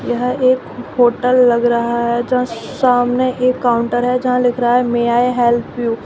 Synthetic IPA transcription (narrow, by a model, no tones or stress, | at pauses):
jɐɦeːkhoːʈəlːɐɡɾɐɦaɦɛd͡ʒɐɦãsaːmneʔeːkːaːʊ̃ɳʈəɾɦɛd͡ʒɐɦãlɪkʰɾɐɦaɦɛmeaːeɦɛːlpʰjuː